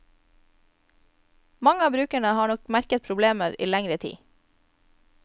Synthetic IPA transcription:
mɑŋəɑːbɾʉːkəɳəhɑːɳɔkmæɾkət̪̚pʰɾʊbleːməɾḭːlæŋɾət̪ʰḭː

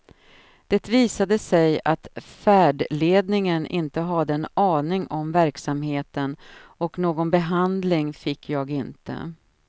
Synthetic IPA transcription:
d̪̥ɛt̪viːsad̪əsɛjat̪fæːɖɭeːd̪nɪŋənɪ̰nt̪əɦad̪əɛnɑːnɪŋʔɔmvæɾksamheːt̪ənɔknoːɡɔnbɛɦand̪lɪŋfɪkʰːjɑːɡɪnt̪ə̰

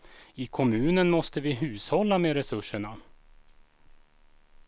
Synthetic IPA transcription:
ɪkʰɔmʉ̟ːnənmɔst̪əvɪɦʉ̟ːshɔlːameːɾɛsɵʂːəɳa

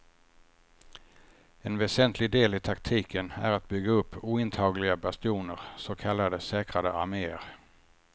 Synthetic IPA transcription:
ɛnvɛsɛnt̪ʰlɪɡ̚d̪eːlɪt̪ʰakt̪ʰiːkʰənæ̰ɾat̪̚bʏɡːaɵpʰːuːɪnt̪ʰɑːɡlɪɡabast̪juːnəɾsokʰalːad̪əsɛːkɾad̪əʔaɾmeːəɾ

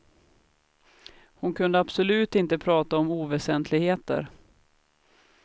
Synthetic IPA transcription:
hʊnkʰɵnd̪əabsɔlʉ̟ːt̪ɪnt̪əpʰɾɑːt̪aɔmuːvɛsɛnt̪ʰlɪɡheːt̪ə̰ɾ

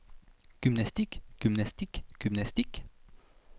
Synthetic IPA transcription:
ɡ̥ʏmnast̪ikɡ̥ymnast̪ikɡ̥ymnast̪ik

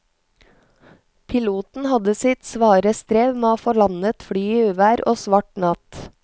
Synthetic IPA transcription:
pʰɪluːt̪n̩hɑd̪əsɪt̪sʋɑːɾəst̪ɾeːʋmeːoːfɔɭɑnət̪fɽyːiːʉːʋæːɾo̰ːsʋɑʈnɑt̪

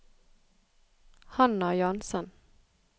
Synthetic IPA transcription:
hɑnɑjɑnsən

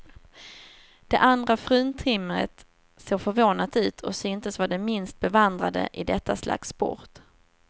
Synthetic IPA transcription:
d̪̥ɛʔand̪ɾafɾʉ̟ːnt̪ʰɪmːəɾə̰t̪ | seːɾfœɾvoːnat̪ʉ̟ːt̪ʰɔsʏnt̪əsvaɖɛmɪnst̪̚bɛvand̪ɾad̪ə̰ʔɪd̪ɛt̪ʰːaslʔa̰kspɔ̰ɾt̪

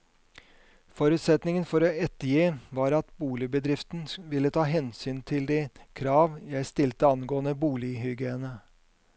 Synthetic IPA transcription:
fɔɾʉːt̪sɛt̪nɪŋənfɔɾoːɛt̪ːəɾjiːʋɑːɾɑt̪buːlɪbəd̪ɾɪft̪n̩ʋɪlːət̪ʰɑːɦɛnsyːnt̪ʰɪld̪ikʰɾɑːʋjæɪst̪ɪlt̪əɑnɡoːənəbuːlɪɦʏɡeːənə

